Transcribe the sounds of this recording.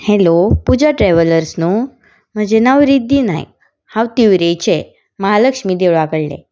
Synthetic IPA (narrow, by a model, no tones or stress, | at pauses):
helopud͡ʑaʈɾɛʋələɾsnuː | m̤əd͡ʑenaʋɾid̪iːna̰ḭ | haʋt̪iʋɾet͡ɕe | məɦaləkʂmiːd̪eʋɭakəɽlḛ